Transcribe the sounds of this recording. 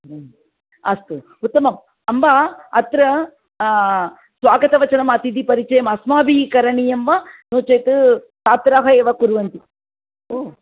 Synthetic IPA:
ɐst̪u | ut̪ːɐmɐm | ɐmbaɐt̪ɾɐ | sʋaːɡɐt̪ɐʋɐt͡ʃɐnɐmɐt̪id̪ipɐɾit͡ʃɐjɐmɐsmaːbikɐɾɐɳijɐmʋɐnoːt͡ʃɐjt̪ɨ | saːt̪ɾaːɦɐeːʋɐkuɾʋɐnt̪i | oː

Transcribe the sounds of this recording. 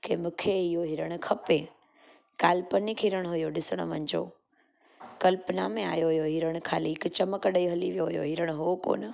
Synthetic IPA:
kʰeːmũːkʰeɪjoɦɪɾəɽ̃ʊkʰɐpe | kaːlpənikʰiɾəɽ̃ɦʊjoɗɪsəɽ̃ʊ̰ʋɐ̃ɲd͡ʑo̰ː | kɐlpnamẽa̰ːjoɦʊjoɦiɾəɽ̃ʊkʰaːliɪkt͡ɕɐməkəɗiɦɐliʋijoɦʊjo̰ɦɪɾəɽ̃ʊɦuoko̰ːnə

